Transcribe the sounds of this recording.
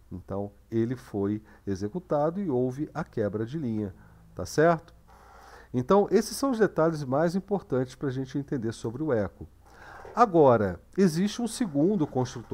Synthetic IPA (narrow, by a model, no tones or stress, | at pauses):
ẽnt̪ɐ̰̃w̃ | elɪfoj | ezekut̪ad̪ʊɪowvɪʔɐkɛbɾɐd͡ʒɪlĩɲɐ | t̪a̰sɛɾt̪ʊ̥ | ẽnt̪ɐ̃w̃ʔesɪ̥sːɐ̃w̃ʊzd̪et̪alɪzmajzĩpoɾt̪ɐ̃nt͡ʃɪspɾaʒẽnt͡ʃɪẽnt̪ẽnd̪eɾsobɾɪʊɛkʊ | aɡɔɾɐ | eziʃt͡ʃɪũseɡũnd̪ʊkõst̪ɾut̪